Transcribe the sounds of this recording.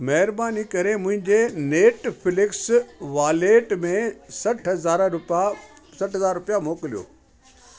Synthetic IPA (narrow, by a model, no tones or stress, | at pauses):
mɐɦɪɾbaːnikɐɾemʊ̃ɦɪ̃ɲd͡ʑeneːʈfɪlɪksʋaːleːʈmẽsɐʈʰɦɐzaːɾʊp | sɐʈɦɐzaːɾɾʊpijamoːkɪlijo̰ː